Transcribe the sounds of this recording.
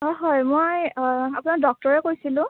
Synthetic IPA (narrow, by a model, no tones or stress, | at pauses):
ɔɦɔjmojapʊnak̚dɔk̚tɔɹɛkojsilʊ̃